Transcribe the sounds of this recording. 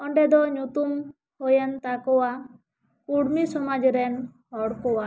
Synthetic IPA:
ɔɳɖɛd̪ɔɲut̪um | hɔjant̪akɔwa | uɽmisɔmad͡ʒɾɛn | ɦɔɽkɔwa

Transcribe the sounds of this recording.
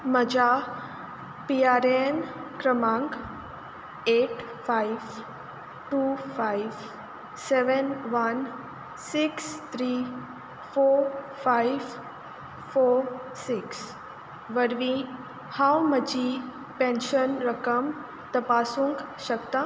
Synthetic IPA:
məd͡ʒa | piːaːɾenkɾəmãːŋɡ | eːʈ | fʰaiʋ | ʈufʰajʋ | seʋənʋɐn | sikst̪ʰɾiː | foː | fʰajʋ | foː | siks | ʋəɾʋĩ | hawməd͡ʒi | pẽːnʃənɾəkəm | t̪ɐpaːsũŋkʃɐkt̪a

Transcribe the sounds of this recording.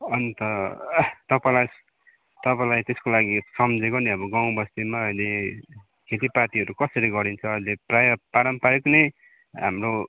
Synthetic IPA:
ʌnt̪ʌ | t̪ʌpãlajs | t̪ʌpãj̃lajt̪eskolaɡisʌmd͡zekoniʌbʌɡaw̃bʌst̪emaʌjle | kʰet̪iprat̪iʌɾukʌsʌɾiɡʌɾint͡sʰʌːd͡zileprajʌpaɾʌmpaɾiknʌj | ɦamro

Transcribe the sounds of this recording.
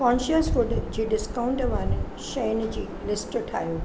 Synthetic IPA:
kãːnʃəsʋʊɖd͡ʑeːɖɪskaːʊ̃ɳʈʋan | ʃɐjnd͡ʑiːlɪsʈʈʰa̰ːjũː

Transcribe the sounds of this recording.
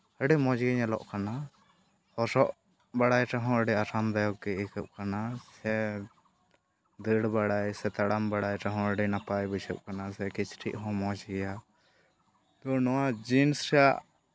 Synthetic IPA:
əɖɛmɔ̃d͡ʒɡɛɲɛlɔ̰ʔkana | hɔsɔʔ | baɽajʈaɦɔ̃əɖɛaɾamd̪ajɔɡ̚ɡɛikəp̚kanasɛ | d̪əɽbaɽajsɛt̪aɽambaɽajʈaɦɔ̃əɖɛnapajbut͡ʃʰəp̚kanasɛkit͡ʃʰʈʰiʔɦɔ̃mɔ̃d͡ʒɡɛja | t̪ɔnɔwad͡ʒinsɾɛja̰ʔ

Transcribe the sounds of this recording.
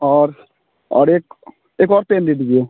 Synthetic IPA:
ɔːɾ | ɔ̰ːɾeːk | eːkɔːɾt̪enɾiʈɡio

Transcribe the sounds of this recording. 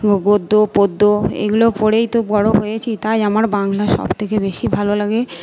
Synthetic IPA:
ɡod̪ːopod̪ːoḛɡulopoɽejt̪oɡɔɽoɦojet͡ɕʰit̪ajamaɾbaŋlaʃɔ̰bt̪ʰekebeʃibʱalolaɡe

